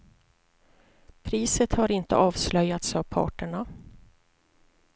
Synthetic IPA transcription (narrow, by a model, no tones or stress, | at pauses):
pʰɾiːsət̪haɾɪnt̪ə̰ʔɑːvslœjːat̪sɑvpʰɑ̰ːʈəɳa